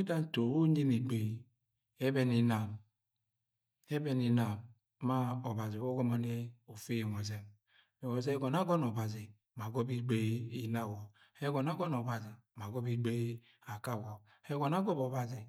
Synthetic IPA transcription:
i˦da˦n˦to˨wo˦ɲi˦ni˨ɡ͡be˨ | ɛ˦bɛ˦ni˦na˨m | ɛ˦bɛ˦ni˦na˨mː | a˦ɔ˨ba˨zi˨wo˦ɡo˦ma˦ne˦o˨fe˦jŋo˨ze˦m˨ | o˨ze˦ɡɔ˨na˦ɡɔ˦nɔ˨ba˨zi˨ | ma˨ɡo˦bi˦ɡ͡be˦i˦la˦˨wɔ˨ | ɛ˦ɡɔ˨na˦ɡɔ˦nɔ˨ba˨zi˨ma˨ɡɔ˦bi˦ɡ͡be˦ | a˨ka˦˨wɔ˨ | ɛ˦ɡɔ˨na˦ɡɔ˦bɔ˨ba˨zi˨

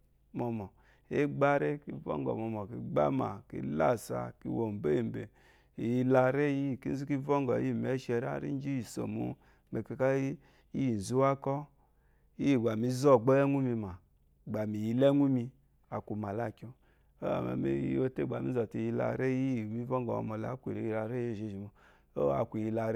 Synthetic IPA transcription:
mɔ˧mɔ˨ | e˦ɡ͡ba˦ɾe˦ki˧˨vɔ̰˦ŋɡɔ̰˨mɔ˧mɔ˨ki˨ɡ͡ba̰˦ma̰˨kḭ˨la̰˦˨sa̰˧˨ki˨wo˨m˨be˦i˨m˨be˨ | i˨ji˧la˧ɾe˦ji˦˨ki˦n˦zu˦ki˦vɔ˦ŋɡɔ̰˨i˦i˦˨me˨˦ʃɛ˧ɾa̰˦ɾḭ˦d͡ʒi˦ji˨so̰˨mṵ˧ | me˨ke˧ka˦ | i˦ji˨n̩˨zu˦wa˦kɔ˦ | i˦ji˦˨ɡ͡ba˨mi˨˦zɔ˦˨ɡ͡bɔ˦ɛ˦ŋu˦mi˧ma˨ | ɡ͡ba˨mi˨ji˧le˦ŋu˦mi˧ | a˨kʷu˨ma˨la˦˨kʲo˧ | o̰˦a̰˨ma̰˨mḛ˨i˦o˦te˦˨ɡ͡ba˨mi˦ɔ˨ti˧˨ji˧la̰˧ɾe˦ji˦˨mi˦vɔ˦ŋɡɔ̰˨˧˨mɔ˨la˦kʷḭ˨ɾe˨˦i˧˨la˧ɾe˦je˦˨ʒe˨ʒi˨mo˨ | o˦˨a̰˨kʷi˨ji˧la˧ɾ

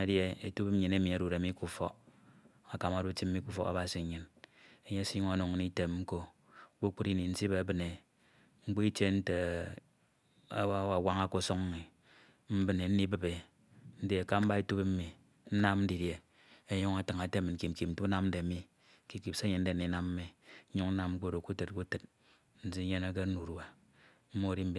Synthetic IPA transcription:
e˨dje˦e˨tu˦p̩˦ɲi˨ne˦mi˨a˨ɾu˨ɾe˨˦mi˦ku˦fɔ˦k | a˨ka˨ma˨du˦ti˦m̩˦mi˦ku˦fɔ̰˦a̰˦ba˨si˨˦ɲɨ˨ne˨ɲe˦si˦ɲu˦ŋa˨no˨ŋ˦ni˦te˦mŋ͡m̩˦ko˦ | k͡po˦k͡pu˦ɾi˦ni˨n̩˦si˦be˨˦bɨ˨ne˨ | ŋ͡m̩˦k͡po˦i˦t͡ʃe˦n̩˦te˨ | a˦wa˨wa˦ŋa˦ko˦˨so˦ŋ̩˦mi˨ | m̩˦bɨ˨ne˨n̩˦ni˦bɨ˨be˨ | n̩˦de˦a˨ka˦m̩˦ba˦i˦tu˦pm̩˦mi˨ | n̩˦na˦m˦n̩˦di˨ɾje˨ | e˦ɲu˦ŋa˨tɨ˨ŋa˨te˦mi˨n̩˨ki˨m̩˨ki˨n̩˦tu˦na˦mn̩˦de˨˦mi˦ | ki˦ki˨pse˦ɲe˨˦n̩˦de˨n̩˨i˨˦na˦m̩˦mi˨˦ɲu˦ŋn̩˦na˦m̩˦k͡po˦ɾo˨ku˦tɨ˨t̚ku˦tɨ˦t̚ | n̩˦d͡zi˦ɲe˦na˦ke˦nu˨ɾu˨a˨ | m̩˦mo˦˨ɾi˦m̩˦b

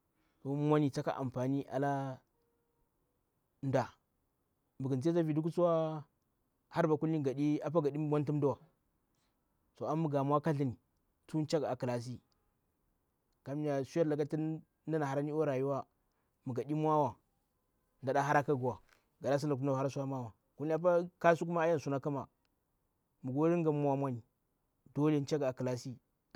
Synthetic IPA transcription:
so˨mʷ˦a˦ni˨t͡sa˦ka̰˦ʔa̰˨mpa˨ni˦ʔa̰˨la˦ | nda˨ | mə˨ɡə˨n˨˦e˦za˦vi˨du˦k̬u˦t͡su˦wa˦ | ha˦ɾba˨ku˦li˦˨ɡa˨ɗi˦a˦p̬a˦ɡa˨ɗi˦m˦wa˦ntu˦m˦du˦wa˨ | so˨a˦mu˦ɡa˨m˦a˦ka˦ɬi˦ni˨ | tu˦n˦t͡ʃa˦ɡa˨ki˨la˨s̬i˦ | ka˨˦mi˦ja˨su˦ja˦ɾla˨ka˦ti˦ | na˦na˨ha˨ɾa˦ni˦o˦ɾa˨ju˦wa˦ | mu˨ɡa˨ɗi˦mʷ˦a˦wa˨ | nda˨ɗa˦ɦa˦ɾa˦ka˦ɡu˨wa˨ | ɡa˨da˦s̬na˨ku˦n˦a˨a˦a˦su˦a˦ma˦wa˨ | ku˦li˦a˦p̬a˦ka˦su˦k̬u˦ma˦a˦ja˦n˨su˦na˦ka˦ma˨ | mu˨ɡo˦ɾi˦ŋ˦ɡa˨˦a˦mʷa˦ni˨ | do˦le˦n˦t͡ʃa˦ɡa˨ki˨la˨si˦

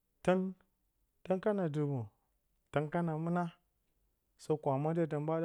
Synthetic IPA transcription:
ta˦n | ta˦nka˦na˨du˨bo˨ | ta˦nka˦na˨mu˦na˦ | so˦kʷa˨ma˦de˦˨t̬a˨nba˦d

